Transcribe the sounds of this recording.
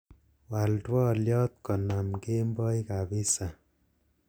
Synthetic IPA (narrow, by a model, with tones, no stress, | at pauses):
wa˨ltwɔ˦ljɔ˦t̪̚kɔ˨na˨mke˦mbɔ˦jkabi˦sa˨